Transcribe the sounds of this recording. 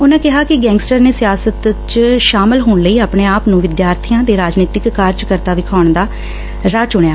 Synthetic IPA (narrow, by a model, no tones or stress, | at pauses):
ʊnãːkɪɦaːkɪɡɛ̃ːŋɡsʈəɾneːsɪjaːsət̪t͡ʃʃaːmɪlɦoːɳləiːaːpɳeːaːpnũːʋɪd̪jaːɾt̪ʰijãːt̪eːɾaːd͡ʒniːt̪ɪkːaːɾd͡ʒkəɾt̪aːʋɪkʰaːʊɳd̪aː | ɾaːt͡ʃʊɳjaː